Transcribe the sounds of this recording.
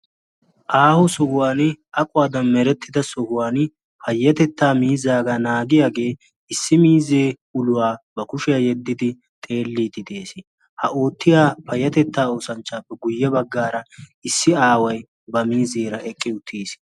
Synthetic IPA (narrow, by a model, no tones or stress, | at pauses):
ʔaːhʊsɔhʊwaːnɪʔɐkʼʊwaːd̪ɐnmɛɾɛt̪ʰːɪd̪ɐsɔhʊwaːnɪ | hɐjːɐt̪ɛt̪ːaːmiːzːaːɡɐnaːɡɪjaːɡe̞ː | ɪsːɪmiːzeː | ʊlʊwaːbɐkʊʃɛjɐjɛd̪ːɪd̪ɪ | t̪ʼe̞ːlːiːt̪ɪt̪e̞ːs | hɐoːt̪ːɪjaːpʰɐjːɐt̪ɛt̪ːaːoːsɐnt͡ʃːaːpːɛɡʊjːɐbɐɡːaːɾɐɪsːɪaːwɐj | bɐmiːzeːɾɐʔɛkʼːɪʊt̪ʰːiːs